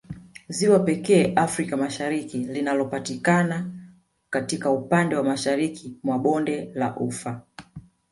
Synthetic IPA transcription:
ziwapɛkɛːʔafɾikamaʃaɾikilinalɔpatikana | katikaupandɛwamaʃaɾikimwaɓɔndɛla̰ʔufa

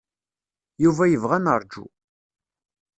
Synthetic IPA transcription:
juvæjəvʁænəɾˤd͡ʒṵ

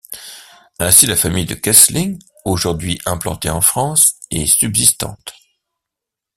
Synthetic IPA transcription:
ɛ̃silafamijd̪əkasliŋ | oʒuʁd̪ɥiʔɛ̃plɑ̰̃t̪eɑ̃fχɑ̃sesybzist̪ɑ̰̃t̪

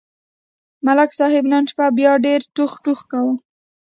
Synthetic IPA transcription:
malaksɑhɪbnanʃpabjɑɖeɾʈuxʈuxkawu

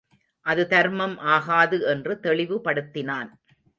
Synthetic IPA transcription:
ʔɐðɯt̪ɐɾmɐmʔaːɣaːðɯɛndrɯt̪ɛɭɪʋɯpɐɽɯt̪ːɪnaːn

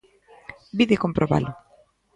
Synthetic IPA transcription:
biðekompɾʔoβa̰lʊ

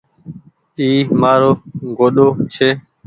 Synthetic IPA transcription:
iːmaːɾoːɡoːɗoːt͡ʃʰeː

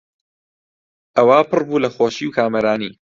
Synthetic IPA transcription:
ʔɐwaːpɨrbuːlɐxoːʃiwkʰaːmɐɾaːniː

